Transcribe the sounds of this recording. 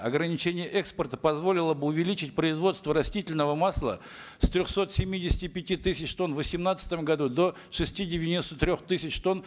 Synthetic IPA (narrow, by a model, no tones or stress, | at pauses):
ɐɡɾənʲɪt͡ɕenʲɪjəʔɛkspərt̪əpɐzvo̞lʲɪlˠəbɨʊvʲɪlʲit͡ɕɪt̚ʲpɾəɪzvo̞t̪st̪vəɾɐsʲtʲitʲɪlʲnəvəmaslˠə̰ | st̪ɾʲoxso̞t̪sʲɪmʲːidʲɪsʲɪ̥tʲɪpʲɪtʲit̪ɨsʲɪt͡ɕt̪o̞nvəsʲɪmnat̪sə̥t̪əmɡɐd̪ud̪o̞ | ʂɨsʲtʲidʲɪvʲɪnʲist̪ət̪ɾʲo̞xt̪ɨsʲɪt͡ɕt̪o̞n